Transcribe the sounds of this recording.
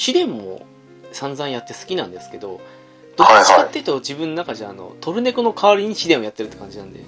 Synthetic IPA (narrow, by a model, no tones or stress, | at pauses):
ɕid̪ẽ̞mːo̞̰ | sãnd͡zãɰ̃jat̪ːe̞sɨ̥kʲinãnd̪esɨ̥ke̞d̪o̞̰ | d̪̥okat̪ːeit̪od͡ʑibɯ̟̃nːonakad͡ʑaːno̞̰t̪o̞ɾɯ̟ne̞kɯno̞kʰaβaɾʲiɲ̟iɕid̪ẽ̞ɰ̃o̞jat̪ːe̞ɾɯ̟t̪ːe̥kãɲ̟d͡ʑinãnd̪e